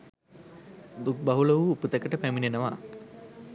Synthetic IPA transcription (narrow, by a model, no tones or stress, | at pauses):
d̪uk̚baɦuləʋuːput̪əkəʈəpæminenəʋa̰